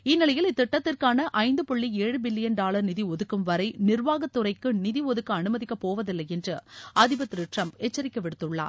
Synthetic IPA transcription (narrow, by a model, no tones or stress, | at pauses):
ɪnːɪlɐjɪlɪt̪ːɪʈːɐt̪ːɪrkaːnɐʔɐɪnd̪ɯpɔɭːieːɻɯbɪlːɪjɐnɖaːlɐɾnɪðiɔðɯkːɯmʋɐɾɐɪnɪɾʋaːɣɐt̪ːɯrɐɪkːɯnɪðiɔðɯkːɯɐnɯmɐðɪkːɐpoːʋɐðɪlːɐjɛndrɯɐðɪbɐt̪ːɾɯʈrɐmpɛt͡ʃːɐɾɪkːɐʋɪɽɯt̪ːɯɭːa̰ːɾ